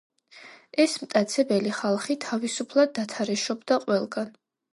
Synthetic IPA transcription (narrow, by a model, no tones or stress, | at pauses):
ɛsmt̪ʼat̪sʰɛbɛliχalˠχit̪ʰavisupʰlˠad̪̚ːat̪ʰaɾɛʃɔbd̪aqʼwɛlˠɡan